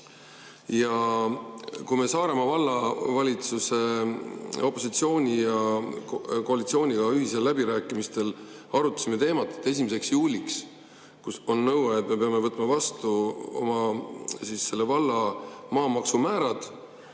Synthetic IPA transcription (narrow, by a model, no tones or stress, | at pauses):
jɑ | kume̞sɑːɾe̞mɑvɑlːɑvɑlʲit̪suse̞ | o̞pːˑo̞sit̪sio̞ːnʲijɑ | ko̞ɑlit̪sio̞ːnʲiɡ̥ɑyɦiselːæbiɾæːkːˑimist̪e̞l | ɑɾut̪ːɑ̥sime̞t̪e̞ːmɑt̪ːˑe̥t̪ːˑe̞s̬ʲimise̞ksjuːlʲiks | kuso̞nːɤwɑet̪ːme̞pe̞ɑme̞vɤt̪ːˑmɑvɑst̪uo̞̰mɑsisːe̞lːevɑlːɑmɑːmɑksumæːɾɑd̪̥